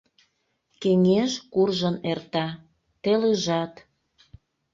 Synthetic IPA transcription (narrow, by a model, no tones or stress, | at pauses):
keŋeʃkurʒənert̪ɑ | t̪eleʒɑt̪